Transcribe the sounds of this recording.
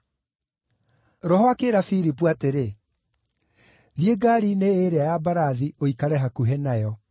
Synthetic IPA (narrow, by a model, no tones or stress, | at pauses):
ɾɔɦɔakeɾafiɾipwateɾe | ðjeɡaːɾiːneeɾeajabaɾaðioikaɾɛɦakuɦɛnajɔ